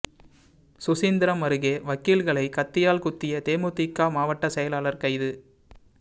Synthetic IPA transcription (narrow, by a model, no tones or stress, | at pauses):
sʊsiːnd̪ɪɾɐmɐɾɯɣeːʋɐkːiːlɣɐɭɐɪkɐt̪ːɪjaːlkʊt̪ːɪjɐt̪eːmoːt̪ːɪkːaːmaːʋɐʈːɐsɛjɐlaːlɐɾkɐɪðɯ